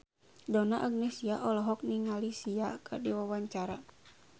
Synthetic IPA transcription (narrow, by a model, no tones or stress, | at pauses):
dɔnaʔaɡnesiaʔɔlɔɦɔk̚niŋalisiakadiwawaɲt͡ʃaɾa